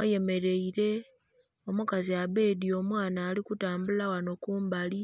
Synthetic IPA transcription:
aje̞me̞ɾe̞iɾe̞ | o̞mukaziaβe̞ːdio̞mwaːnaːlikutaːmbulawano̞kuːmbali

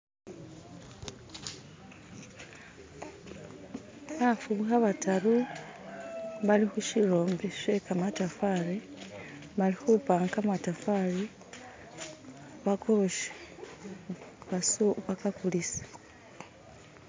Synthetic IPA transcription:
hafuβuxaβataɾu | βalixuʃiɾo̞ːmbeʃekamatafaɾe | βalixupaːŋkamatafaɾi | βakʰoʃe̥ | βasoβakakulisḁ

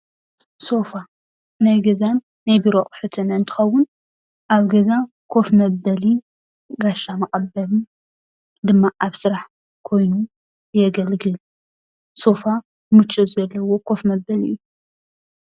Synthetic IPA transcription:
so̞fa | najɡɐzanːajbiɾoχʼħɨt̪ʰɨnɨnt̪ʰɨ̥xɐwːʊn | ʔaβɡɐza | kʰo̞fmɐbːɐli | ɡaʃamɐχʼɐbːɐlɨ | d̪ɨmːaʔaβsɨɾaħ | kʰo̞jnu | jɛɡɐlɡɨl | so̞fa | mɨt͡ʃʼːɨzɐlːɐwo̞kʰo̞fmɐbːɐliʔjːu

